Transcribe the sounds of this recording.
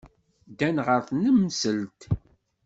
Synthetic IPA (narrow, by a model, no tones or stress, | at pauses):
d̪ænʁəɾθnəmːsəlt̪